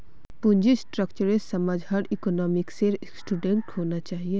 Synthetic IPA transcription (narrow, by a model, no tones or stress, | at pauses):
pʊ̃nd͡ʒisʈɾəkt͡ʃəɾesɐmaːd͡ʒɦaɽikɔːnɔːmɪkseɾ | sʈuːɖẽɳʈhoːnat͡ʃaːɦie